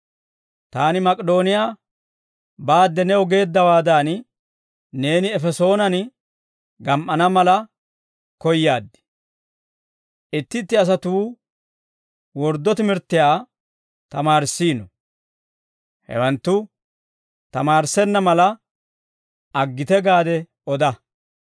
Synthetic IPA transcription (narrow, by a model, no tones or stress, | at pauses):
t̪aːnɪmɐkʼɛd̪o̞ːnɪjaː | baːd̪ːɛnɛɔɡe̞ːd̪ːɐwaːd̪aːn | neːnɪɛfɛso̞ːnɐn | ɡɐmʔɐnɐmɐlɐ | kɔjːaːd̪ːɪ̥ | ʔɪt̪ːɪt̪ːɪɐs̬ɐt̪uː | wɔɾd̪ːɔt̪ɪmɪɾt̪ːɪjaː | t̪ɐmaːɾsːiːnɔ | hɛ̰wɐnt̪ːʊ | t̪ɐmaːɾsɛnːɐmɐlɐ | ʔɐɡːɪt̪ɛɡaːd̪ɛ | ɔd̪ɐ